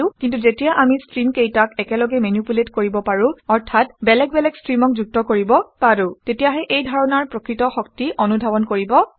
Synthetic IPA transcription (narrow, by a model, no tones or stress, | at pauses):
ʊ̃kintuzetijaʔamistɹimkejtakɛkɛlɔɡɛmenupuletkoɹibɔpaɹũɔɹtʰatbɛlɛk̚bɛlɛkstɹimɔk̚zuk̚tɔkoɹibɔpaɹutetijaɦɛʔejdʱɔɹɔnaɹpɹokɹitɔxɔk̚tiʔɔnudʱabɔnkoɹibɔ